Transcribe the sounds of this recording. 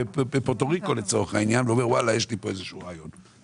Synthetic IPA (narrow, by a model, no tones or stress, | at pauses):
bepotoʁiko̞let͡so̞ʁeχainjanveomeʁwalajeʃlipo̞ezeʃuːʁaːjon